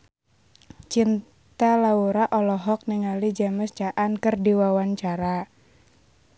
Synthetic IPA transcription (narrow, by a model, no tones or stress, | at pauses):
t͡ʃin | t̪alauɾaʔɔlɔɦɔk̚niŋalid͡ʒaməst͡ʃaʔankɨrdiwawaɲt͡ʃaɾa